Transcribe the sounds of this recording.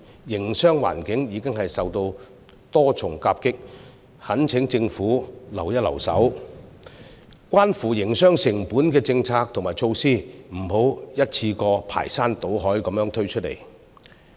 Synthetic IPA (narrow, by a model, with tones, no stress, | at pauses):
jɪ˨˩ŋsœː˥ŋwa̰ː˨˩nkɪ˨˥ŋjiː˨˧kɪ˥ŋɦɐ˨jsɐ˨wt̪o˧w | t̪ɔː˥t͡sʰʊ˨˩ŋkaː˧p̚kɪ˥k̚ | hɐ˨˥nt͡sʰɪ˨˥ŋt͡sɪ˧ŋfuː˨˥lɐ˨˩wjɐ˥t̚lɐ̰˨˩wsɐ̰˨˥w | kwaː˥nfuː˨˩jɪ˨˩ŋsœː˥ŋsɪ˨˩ŋpuː˨˥nkɛː˧t͡sɪ˧ŋt͡sʰaː˧k̚t̪ʰʊ˨˩ŋmaː˨jt͡sʰo˧wsiː˥m̩˨˩ɦo˨˥wjɐ˥t̚t͡sʰiː˧kɔː˧pʰa̰ː˨˩jsaː˥nt̪o˨˥wɦɔː˨˥jkɐ˨˧mjœː˧˥ŋt̪ʰɵ˥ɥt͡ʃʰɵ˥t̚lḛ˨˩j